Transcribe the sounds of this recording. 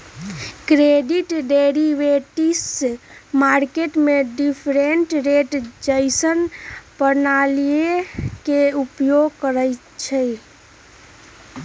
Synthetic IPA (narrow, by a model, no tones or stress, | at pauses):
kɾeɖiʈɖeɾiʋeʈismaɾkeʈmeɖipʰɾenʈɾeʈd͡ʒəɪsənpənalijekeupjoɡkəɾəj | t͡ʃʰɛ